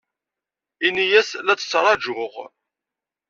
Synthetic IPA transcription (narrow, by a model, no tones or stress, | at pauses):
inijæslæt͡sːə̥t͡sːɾˤɑd͡ʒʊʁ